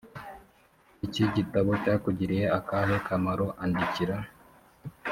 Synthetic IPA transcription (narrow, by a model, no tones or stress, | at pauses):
iciɟitaβocaːkuɟiɾijeakaɦekamaɾoʔandiciɾa